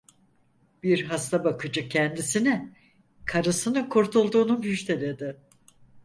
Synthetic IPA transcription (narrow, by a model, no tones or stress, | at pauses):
b̥iɾɦast̪abakʰɯd͡ʒɯcʰɛnd̪isinɛ | kʰaɾɯsɯnɯkʰuɾt̪ʰulˠd̪uːnunhyʃt̪ʰelʲed̪ɪ